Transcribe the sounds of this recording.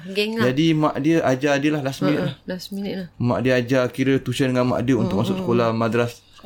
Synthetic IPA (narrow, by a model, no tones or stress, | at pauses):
ɡd͡ʒadimãʔdiəʔad͡ʒadiəlahlasminəʔlahlsimã̰ʔdiəad͡ʒakiɾət̪usəndəŋanmã̰ʔdiəunt̪ʊk̚ʔmasʊʔ̚sə̥kolahmad̪ɾas